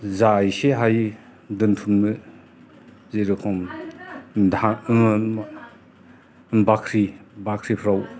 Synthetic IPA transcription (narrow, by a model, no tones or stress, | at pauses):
zajseɦaj | dɯntʰunmɯ | zeɾɯkʰɔm | da | bakʰɾibakʰɾipʰɾaw